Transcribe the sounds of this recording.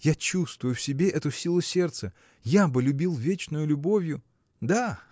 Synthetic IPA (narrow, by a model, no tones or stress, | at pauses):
jat͡ɕust̪vʊjʊfsʲɪbʲe̞ʔɛt̪ʊsʲilˠʊsʲe̞rt̪sə | jabɨlʲʊbʲilˠvʲet͡ɕnʊjʊlʲʊbo̞vʲjʊ | d̪a